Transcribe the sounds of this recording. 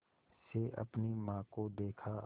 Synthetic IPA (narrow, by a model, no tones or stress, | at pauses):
seʔɐ̰pnimãːkod̪eːkʰa